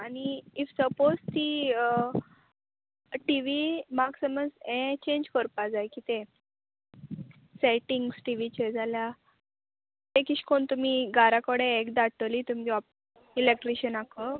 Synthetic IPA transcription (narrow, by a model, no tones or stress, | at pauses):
aniifsəpost̪i | ʈiʋimaɡsəməd͡zẽt͡ɕẽɲd͡ʑkəɾpad͡zajkit̪e | seʈiŋɡsʈiʋit͡ɕed͡zʱalja | t̪ẽkiɕkʰoɳt̪um̤iɡaɾakəɽẽekd̪aʈ̪əlit̪um̤d͡ʑɔa | ilek̚ʈɾiɕənakə